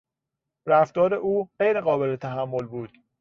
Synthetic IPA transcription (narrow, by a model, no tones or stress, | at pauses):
ræft̪ɒːɾeʔuːɢejɾeɣɒːbe̞let̪ʰæɦæmːo̞lbuːd̪̥